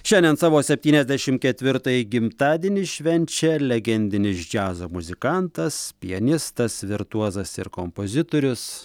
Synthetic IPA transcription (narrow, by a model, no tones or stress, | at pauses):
ʃʲɛnʲd̪ʲɛnsɑːʋoːsʲɛpʲt̪ʲiːnʲɛzʲd̪ʲɛʃʲɪmkʲɛt̪ʲʋʲɪɾt̪ɐjɪɡʲɪmt̪ɑːd̪ʲiːnʲɪʃʲʋʲɛnʲt͡ʃʲɛlʲɛɡʲɛnʲd̪ʲɪnʲɪsd͡ʒʲæːzoːmʊzʲɪkɐnt̪ɐspʲɪɐnʲɪst̪ɐsʋʲɪɾt̪uɔzɐsɪɾkompozʲɪt̪oːɾʲʊs